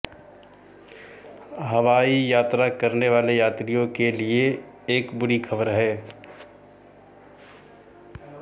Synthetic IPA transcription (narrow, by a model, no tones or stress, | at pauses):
ɦɐʋaːijaːt̪ɾakɐɾneʋaːlejaːt̪ɾijõkelieː | kbʊɽikʰɐbəɾɦɛː